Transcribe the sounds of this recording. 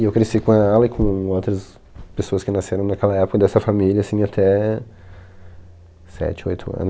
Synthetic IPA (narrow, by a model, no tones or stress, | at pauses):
ɪewkɾesikõaalɐɪkʰõowt̪ɾɐs | pesoɐskɪnaseɾɐ̃w̃nɐkɛlɐɛpʊ̥kɐd̪ɛsɐfamilʲɐsĩat̪ʰɛ | sɛ̰t͡ʃɪo̰jt̪ʰʊɐ̰̃nʊ